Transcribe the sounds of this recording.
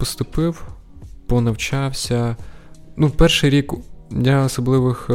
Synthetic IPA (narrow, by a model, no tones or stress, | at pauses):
pɔst̪ʊpɪw | pɔnɐwt͡ʃɑwsʲɐ | nupɛrʃɪjɾʲiklʲaɔsɔblˠɪʋɪx